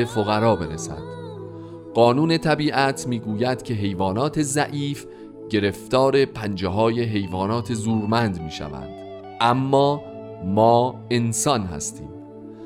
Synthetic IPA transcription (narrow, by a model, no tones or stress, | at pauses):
efoɣæɾɒːbe̞ɾesæ̰nd̪̥ | ɢ̥ɒːnuːne̞t̪ʰæbiːʔæt̪ʰmiːɡuːjæd̪̥cʰe̞ɦe̞jvɒːnɒːt̪ʰe̞zæʔiːf | ɟe̞ɾe̞ft̪ɒːɾe̞pʰænd͡ʒeɦɒːje̞ɦe̞jvɒːnɒːt̪ʰe̞zuːɾmænd̪miːʃæ̰væ̰nd̪̥ | ʔæmːɒː | mɒːe̞nsɒnɦæ̰st̪ḭːm